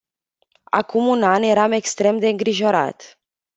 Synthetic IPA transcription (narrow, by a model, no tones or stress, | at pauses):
a̰kumunanje̞ɾame̞kst̪ɾe̞md̪e̞ɨŋɡɾiʒo̞ɾa̰t̪